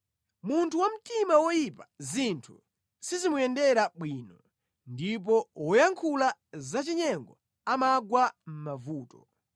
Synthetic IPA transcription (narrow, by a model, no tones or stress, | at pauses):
muntʰuwam̩timawɔjipazintʰṵ | sizimujɛndɛɾaɓwiːnɔ | ndip̬ɔwɔjaŋkʰulazat͡ʃiɲɛŋɡɔ | amaɡwam̩mavuːtɔ